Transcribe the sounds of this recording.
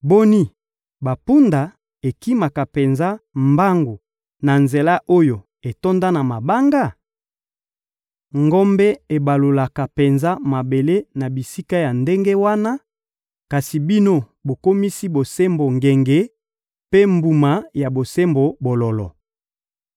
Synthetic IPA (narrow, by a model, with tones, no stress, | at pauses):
bo˦ni˦ | ba˨pu˦nda˨ | e˨ki˦ma˨ka˨pe˨nza˦mba˦ŋɡo˨ | na˨nze˨la˦ʔo˦jo˨ | e˨to˦nda˦na˨ma˨ba˦ŋɡa˦˨ | ŋɡo˦mbɛ˦e˨ba˨lo˨la˨ka˨pe˨nza˦ma˨be˨le˦na˨bi˨si˦ka˦ja˨nde˦ŋɡe˦wa˦na˦ | ka˨si˨bi˦no˦ | bo˨ko˦mi˦si˦bo˨se˦mbo˨ŋɡe˨ŋɡe˨ | pe˦mbu˨ma˨ja˨bo˨se˦mbo˨bo˨lɔ˨lɔ̰˨